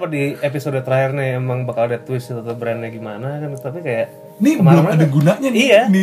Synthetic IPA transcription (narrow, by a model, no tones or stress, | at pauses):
padiepisodot̪əɾaɦɪrnɪemaŋbakaldat̪wɪst̪ət̪əbɾɛnɲaɡimanakant̪apikajaʔ | nibməlamadaɡunaʔɲanijani